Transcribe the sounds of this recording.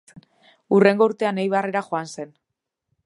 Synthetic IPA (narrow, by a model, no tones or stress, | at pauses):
ure̞ŋɡo̞uɾt̪e̞anejβare̞ɾaxoanse̞n